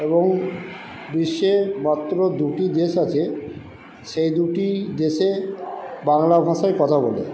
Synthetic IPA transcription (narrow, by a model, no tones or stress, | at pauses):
eboŋ | biʃːemat̪ːɾod̪uʈid̪eʃat͡ɕʰe | ʃejd̪uʈid̪eʃe | baŋlabʱaʃaekɔt̪ʰabolḛ